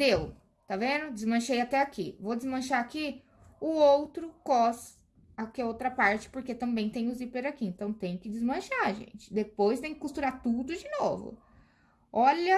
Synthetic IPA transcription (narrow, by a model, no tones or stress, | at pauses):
d̪ew | t̪avẽnd̪ʊd͡ʒɪzmɐ̃ʃejat̪ɛakḭvod͡ʒɪzmɐ̃ʃaaki | ʊowt̪ɾʊkɔs | akiɐowt̪ɾɐpaɾt͡ʃɪ̥poɾket̪ɐ̃mbẽj̃t̪ẽj̃ʊzipeɾakiẽnt̪ɐ̃w̃t̪ẽj̃ʊkɪd͡ʒɪzmɐ̃ʃaʒḛ̃nt͡ʃɪ̥d̪epojst̪ẽj̃kɪ̥kust̪uɾat̪ud̪ʊd͡ʒɪnovʊ̰ | ɔʎɐ